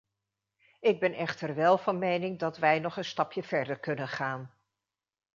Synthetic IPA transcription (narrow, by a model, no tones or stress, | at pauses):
ɪɡ̚bɛnɛχtəɹʋɛlˠvɑnmejnɪŋdɑtʋɛjnɔχənstɑpjəv̥ɛɹdəɹkɵnənχaːn